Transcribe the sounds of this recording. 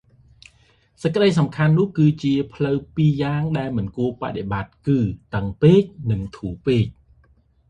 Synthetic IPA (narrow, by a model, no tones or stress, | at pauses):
səc̚kə̆ɗəjsɑmkʰanːʊ̆əhkɨːt͡ɕiəpʰləwpiːjaːŋɗaɛlmɨnkuəpa̰ɗeɓat̪̚kɨːt̪əŋpeːc̚nɨŋt̪ʰuːpeːc̚